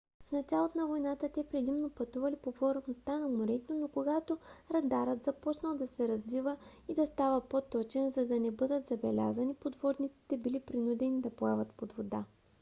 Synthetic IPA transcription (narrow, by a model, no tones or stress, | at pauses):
fnɐt͡ʃalˠot̪onɐvojnat̪ət̪ɛpɾɛd̪imnopɐt̪uvɐlipofoɾɛnost̪anɐmoɾɛt̪onokoɡat̪oɾɐd̪aɾət̪zɐpɔt͡ʃnəlˠd̪ɐsɛɾɐzvivəid̪ɐst̪avəpot̪ɔt͡ʃɛnzɐd̪ɐnɛbɤd̪ət̪zɐbɛlʲa̰zɐnipod̪vɔd̪nit̪si̥t̪ɛbilipɾinud̪ɛnid̪ɐpoɛvɐt̪pod̪vod̪a